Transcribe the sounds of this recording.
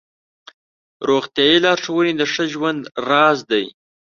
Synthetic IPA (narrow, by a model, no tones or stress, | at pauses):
ɾoxt̪jɑjilɑɾʂawənid̪əʂəʒwand̪ɾɑzd̪aj